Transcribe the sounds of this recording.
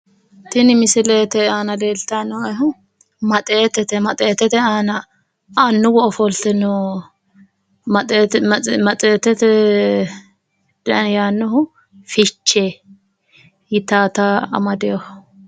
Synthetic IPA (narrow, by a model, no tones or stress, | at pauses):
t̪ɪnɪmɪsɪleːt̪ɛaːnɐleːlt̪anɔɐɦʊ | mɐt̪ʼeːt̪ːɛt̪ɛmɐt̪ʼeːt̪ɛt̪ɛaːnɐ | anːʊɡɔʔɔfɔlt̪ɛnɔ | mɐ | mɐt̪ʼeːt̪ɛt̪ɛ | d̥ɐnjaːnːɔɦʊ | fɪt͡ʃːeː | jɪt̪aːt̪aɐ̰mɐd̪ɛjɔh